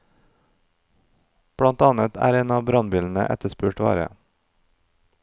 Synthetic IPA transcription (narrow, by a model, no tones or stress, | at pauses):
b̥ɽɑnt̪ɑːnət̪ʰæ̰ːɾeːnɑːbɾɑnbiːln̩ə̰ʔɛ̰t̪əspʉːʈʋɑ̰ːɾə̰